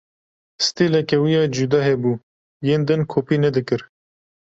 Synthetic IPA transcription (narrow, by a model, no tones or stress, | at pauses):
st̪eːlɛkɛwijɑːd͡ʒud̪ɑːɦɛbuː | jeːnd̪ɨnkʰoːpiːnɛd̪ɨkɨɾ